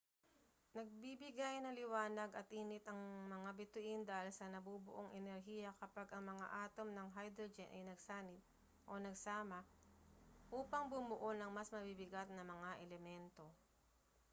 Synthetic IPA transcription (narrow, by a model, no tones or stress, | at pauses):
nɐɡ̚bibɪɡajnɐlɪwaːnɐɡɐt̪̚ʔiːnɪt̪ʔɐŋmɐŋabɪt̪ʊʔɪnd̪aːhɪlsɐnɐbubʊ̰ʔoŋʔɛnɛɾɦiːjɐkɐpaɡʔɐŋmɐŋa̰ʔaːt̪o̞mnɐŋɦajd̪ɾod͡ʒɛnʔɐ̰jnɐɡsaːnɪt̪̚ | ʔonɐɡsaːmɐ | ʔuːpɐŋbʊmʊʔonɐŋmɐsmɐbibɪɡat̪̚nɐmɐŋaʔɛlɛmɛnt̪o̞